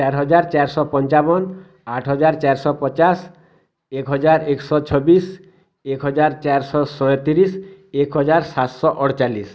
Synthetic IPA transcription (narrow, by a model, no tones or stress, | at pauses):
t͡ʃɛɾɦɔd͡ʑaɾt͡ɕaɾsɔpɔnt͡ɕabɔn | aʈʰɦɔd͡ʑaɾt͡ɕaɾsɔpɔt͡ɕas | ekɦɔd͡ʑaɾeksɔt͡ɕʰɔbis | ekɦɔd͡ʑaɾt͡ɕaɾsɔsɔjt̪iɾisekɦɔd͡ʑaɾsat̪sɔʔɔɽt͡ʃalːis